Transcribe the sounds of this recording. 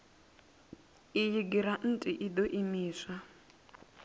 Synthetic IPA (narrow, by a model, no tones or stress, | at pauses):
ijiɡiɾan̩tʼiʔid̪ɔʔimiːsa